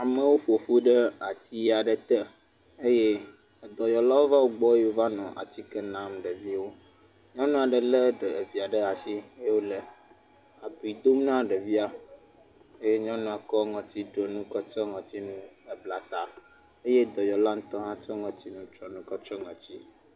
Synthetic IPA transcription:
a˨mẽ˨wo˦ɸo˨ɸu˦ɖə˦a˨t̪i˦a˨ɖə˨t̪ɛ˦ | e˦je˦˨ | d̪ɔ˨jɔ˨la˦wo˦va˦wo˦ɡ͡bɔ˦o˦va˦nɔ̃˨ʔa̰˨t̪i˦kə˦nã˨mɖə˨vi˦wo˦ | ɲɔ̃˦nũ˦a˨ɖə˨lə˦ɖə˨vi˨a˨ɖə˦a˨si˦e˦wo˦lə˨ | a˨bu˨i˨d̪o˦m˦nã˦ɖə˨vi˦a˦ | e˦je˦ɲɔ̃˦nũ˦a˨kɔ˦ŋɔ̃˨t̪i˦ɖo˨nũ˦kɔ˦t͡ʃɔ˦ŋɔ̃˨t̪i˦nũ˦ə˨bla˨t̪a˨ | e˦je˦d̪ɔ˨jɔ˨la˦ŋũ˦t̪ɔ̃˦ɦã˦t͡ʃɔ˦ŋɔ̃˨t̪i˦nũ˦t͡ʃ̪ɾɔ̃˨nũ˦kɔ˦t͡ʃɾɔ˦ŋɔ̃˨t͡ɕi˦

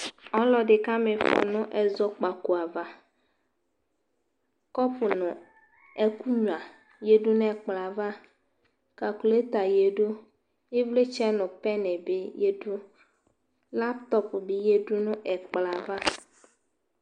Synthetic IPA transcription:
ɔ˦lɔ˨ɖe˨ka˦me˨fɔ̰˨nʊ̃˦ʔɛ˨zɔ˦k͡pa˨ko˨a˨va˦ | kɔ˦pʊ˨nʊ̃˨ | e˦ku˦ɲũ˨a˨ | je˦do˦n˦ɛ˨k͡pla˨va˦ | ka˨ku˨le˦t̪a˨je˨ɖo˦ | e˦vle˦t͡ʃɛ˦nʊ̃˨pɛ˦nɛ̃˨be˦je˦do˦ | la˦pt̪ɔ˦pbi˦je˦ɖu˦nʊ̃˦ʔɛ˨k͡pla˨va˦

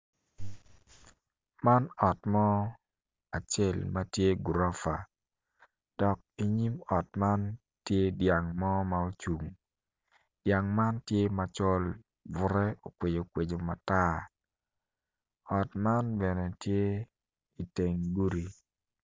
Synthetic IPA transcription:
ma˦nɔ˨tmɔ˦ | a˨t͡ʃe˦˨lma˦tje˦ɡu˨ɾɔ˦fa̰˨ | d̥ɔ˨k̚i˨ɲi˦mɔ˨t̚ma˦n | tje˦dja˨ŋmɔ˦ma˨o˦t͡ʃu˨ŋ | d̥ja˨ŋma˦ntje˦ma˨t͡ʃɔ˦l | vʊ˨˦ɾɛ˦o˨kwe˨d͡ʒo˨kwe˨d͡ʒo˨ma˨ta˦ | ɔ˨tma˦nbɛ˨nɛ˨tje˦ | i˨te˨ŋɡu˦ɾi˨

